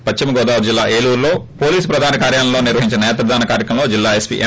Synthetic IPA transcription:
pɐt͡ʃt͡ʃimɐɡɔːd̪aːʋuɾd͡ʒilːaːʔeːluːɾlo̞ːpoːliːsu̥pɾɐd̪ʱaːnɐkaːɾjaːnɐmloːniɾʋɐɦiɲt͡ʃinɐnɛːt̪ɐɾɐd̪aːnɐkaːɾjɐkɐmlo̞ːd͡ʒilːaːespḭːʔe

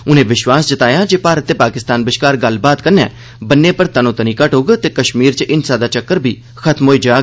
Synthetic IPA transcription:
ʊnẽːʋɪʃwaːsd͡ʒət̪aːjaːd͡ʒeːpaːɾət̪ːeːpaːkɪst̪aːnbɪʃkaːɾɡəlbaːt̪kəɾnɛ̰̃ː | bənːeːpəɾt̪aːnũːt̪ənĩːkəʈɦoːɡt̪eːkəʃmiːɾt͡ʃʔɪnsaːd̪aːt͡ʃəkːəɾbʱiː | xʰət̪mɦoːiːd͡ʒaːɡ

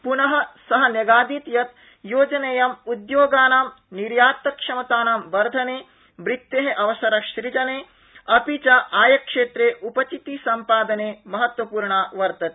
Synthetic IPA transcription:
punɐɦɐsɐɦɐnjɐɡaːd̪iːt̪jɐt̪ | joːd͡ʒɐnɐjɐmud̪joːɡaːnaːm | niɾjaːt̪ːɐkʂɐmɐt̪aːnamʋɐɾd̪ʱɐneː | ʋɾit̪ːeɦɐʔɐʋɐsɐɾɐʃɾid͡ʒɐneː | ɐpit͡ʃɐʔaːjɐkʂeːt̪ɾeːʔupɐt͡ʃit̪isɐmpaːd̪ɐneːmɐɦɐt̪ʋɐpuːɾɳaʋɐɾt̪ɐt̪e

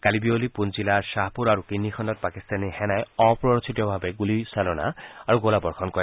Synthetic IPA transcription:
kalibiolipunzilaɹsaɦpuɾaɹukinːixʰɔndɔt̪̚pakist̪anihɛnajɔpɹɔɹɔt͡ʃʰitiɔbʱabeɡulisalɔna̰aɹuɡolabɔɹxʰɔnkɔɹ

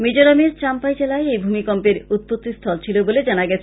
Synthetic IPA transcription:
mid͡ʑoɾameɾt͡ɕampajd͡ʑelaeejbʱumikɔmpeɾut̪̚pot̪ːist̪ʰɔlt͡ɕʰiloboled͡ʑanaɡɛt͡ɕʰe

